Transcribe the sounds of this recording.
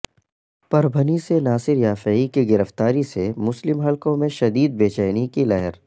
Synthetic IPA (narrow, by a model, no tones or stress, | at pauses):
pɐɾbʱənisenaːsɪɾjaːfeːikiɡɪɾəft̪aːɾisemʊslɪmɦɐlkõmẽʃɐd̪iːd̪̚beːt͡ʃɛːnikilɐɦɛɾ